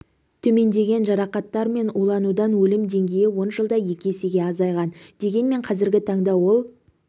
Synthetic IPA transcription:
t̪ʰɵme̞nd̪e̞ɡʲe̞nʒɑɾɑqɑt̪ːɑɾme̞nulˠɑnud̪ɑnwɵlɪmd̪e̞ŋɡʲe̞jɪwo̞nʒəlˠd̪ɑje̞kʲeseɡʲe̞ɑzɑjʁɑnd̪̥e̞ɡʲe̞nme̞ɴqʰɑzɪɾɡʲɪt̪ʰɑɴd̪ɑwo̞lˠ

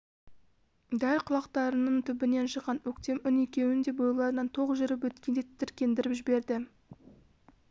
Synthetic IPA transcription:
d̪ælʲqʰʊlˠɑqt̪ɑɾənəɴt̪ʰʏbɪne̞nʃəqːɑnwɵkt̪e̞mʏne̞kʲe̞wɪnd̪e̞bojlˠɑɾnɑnt̪ʰo̞ʁəzʒʏɾɪp̬wɵt̪kʲend̪et̪ʰːɪɾkʲe̞nd̪ɪɾɪpʒɪbe̞ɾd̪ɪ

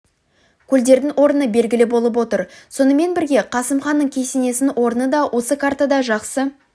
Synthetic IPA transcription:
kʲʰɵld̪e̞ɾd̪ɪŋwo̞ɾənəbe̞lɡʲɪlɪbo̞lˠəp̬wo̞t̪əɾso̞nəme̞nbɪɾɡʲe̞qʰɑsəmχɑnːəɴkʲʰe̞sene̞sɪnwo̞ɾənəd̪ɑwʔo̞səkʰaɾt̪ad̪ɑʒɑqsə

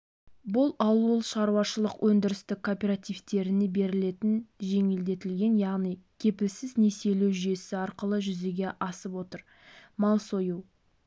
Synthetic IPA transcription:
bʊlˠɑwulˠʃɑɾuwɑʃəlˠəqwʔɵnd̪ɪɾɪst̪ɪkʰːo̞pʲe̞ɾat̪ijvt̪e̞ɾɪne̞be̞ɾɪle̞t̪ɪnʒe̞ŋɪld̪e̞t̪ɪlɡʲe̞njɑʁnijkʲʰe̞pɪlsɪzne̞se̞lewʒʏje̞sɪɑɾqəlˠəʒʏze̞ɡʲe̞ʔɑsəpwo̞t̪əɾ | mɑlˠsojuw

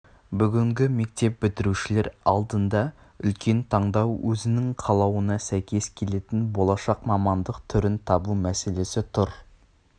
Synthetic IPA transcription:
bʏɡʲɪŋɡʲɪme̞k̚t̪e̞p̚bɪt̪ɪɾuʃɪle̞ɾɑ̰lˠd̪ənd̪ɑ | ʏ̰lkʲe̞nt̪ʰɑɴd̪ɑwwʔɵzɪnɪŋqʰɑlˠɑwənɑsæjkʲʰe̞skʲʰe̞le̞t̪ɪnbo̞lˠɑʃɑqmɑmɑnd̪əqt̪ʰʏɾɪnt̪ʰɑbumæse̞le̞sɪt̪ʰʊɾ

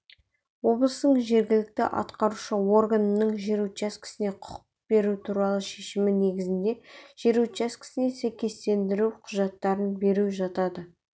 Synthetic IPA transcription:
wo̞blˠəst̪əɴʒe̞ɾɡʲɪlɪk̚t̪ɪ̰ʔɑ̰t̪qɑɾuʃəwo̞rɡanənəɴʒe̞ɾut̪ɑskʲʰɪ̥sɪne̞qʰʊ̥q | be̞ɾut̪ʰuɾɑlˠəʃe̞ʃɪmɪne̞ɡʲɪzɪnd̪e̞ʒ̥eɾut̪t͡ʃɑskʲʰɪ̥sɪne̞sæjkʲe̞st̪e̞nd̪ɪɾuwqʰʊʒɑt̪ːɑɾənbe̞ɾuʒɑt̪ɑd̪ə

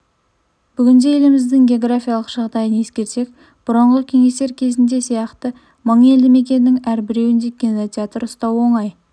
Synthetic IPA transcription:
b̥ʏɡʲɪnd̪eje̞lɪmɪzd̪ɪŋɡʲe̞o̞ɡrafʲijalˠəqʒ̥ɑʁd̪ɑjəne̞skʲe̞ɾse̞k̚ | b̥ʊɾəɴʁəkʲʰe̞ŋe̞st̪e̞ɾkʲʰe̞zɪnd̪e̞sijɑqt̪ə | məɴe̞ld̪ɪme̞kʲe̞nːɪŋæɾbɪɾe̞wɪnd̪e̞kʲinot̪ʲjat̪ɾəʊst̪ɑwo̞ɴɑj

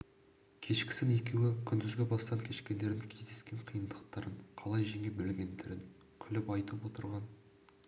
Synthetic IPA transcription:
kʲʰe̞ʃkʲɪ̥sɪne̞kʲe̞wɪkʲʰʏnd̪ɪzɡʲebɑst̪ɑŋkʲʰe̞ʃkʲe̞nd̪e̞ɾd̪ɪŋkʲʰe̞zd̪e̞skʲe̞ɴqʰijənd̪əq̚t̪ɑɾəɴqʰɑlˠɑjʒeŋebɪlɡʲe̞nd̪eɾɪŋ | kʲʰʏlɪpɑjt̪əpwo̞t̪əɾʁɑn

